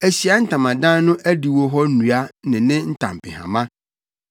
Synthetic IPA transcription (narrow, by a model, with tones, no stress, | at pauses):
æ˨ɕi˨a˦n̩˦tʰã˨mã˨dã˦n˦nʊ̃˦ʔæ˦di˨wo˦ɦɔ˦nũ˨a˦nɪ̃˨nɪ̃˦n̩˦tʰã̰˨m˨pɪ̰˨hã̰˨mã˦